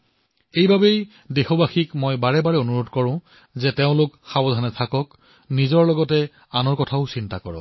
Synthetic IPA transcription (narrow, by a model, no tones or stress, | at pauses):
ejbabej | dexobaxikmɔjbaɹɛbaɹɛonuɹotkɔɹʊ̃ | zɛteʊ̃lʊkxabɔdʱanɛtʰakɔk | nizɔɹlɔɡɔtɛ | anɔɹkɔtʰaʊsintakɔɹɔ̰